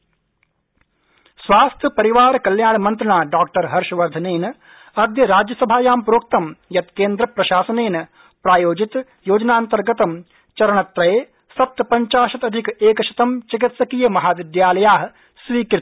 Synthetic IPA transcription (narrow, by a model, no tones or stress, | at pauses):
sʋaːst̪ʰjɐpɐɾiʋaːɾkɐljaːɳmɐnt̪ɾɐɳaːɖaːk̚ʈɐɾɦɐɾʃɐʋɐɾd̪ʱɐneːn | ɐd̪jɐɾaːd͡ʒjɐsɐbʱaːjaːmpɾoːk̚t̪ɐmjɐt̪keːnd̪ɾɐpɾɐʃaːsɐneːnɐ | pɾaːjoːd͡ʒit̪ | joːd͡ʒɐnaːnt̪ɐɾɡɐt̪ɐm | t͡ʃɐɾɐɳɐt̪ɾɐjeː | sɐp̚t̪ɐpɐɲt͡ʃaːʃɐt̪ɐd̪ʱikeːkɐt͡ʃʰɐ̥t̪ɐmt͡ʃik̬it̪sɐkiːjɐmɐɦaːʋid̪jaːlɐjaːɦ | sʋiːkɾɪ